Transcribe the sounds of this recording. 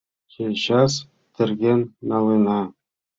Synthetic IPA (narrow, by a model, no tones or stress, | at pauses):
xejʲɕɑs | t̪ɘ̆rɡʲenːɑlˠɤnɑ